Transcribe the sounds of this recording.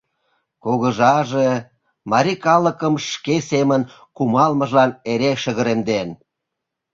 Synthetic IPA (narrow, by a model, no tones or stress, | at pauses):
koɣəʒɑʒe | mɑɾʲikɑləkəmʃkesemən | kumɑlmə̆ʒlɑneɾeʃəɣə̆ɾemd̪en